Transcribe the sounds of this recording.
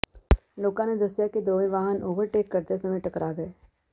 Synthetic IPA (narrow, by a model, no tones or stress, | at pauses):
loːkãned̪ɐsjakid̪oːʋĩʋaːɦənʔoːʋəɾʈeːkːɐɾt̪esɐməʈɐkɾaɡɐeː